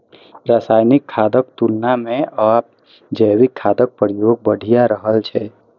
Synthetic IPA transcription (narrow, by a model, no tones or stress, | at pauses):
ɾaːsaːjnɪkʰːaːd̪əkt̪ulnamẽaːp̚ | d͡ʒəwɪkʰːaːd̪ək̚pəɾjoːɡ̚bəɽʱijaɾəɦəlt͡ʃʰɛː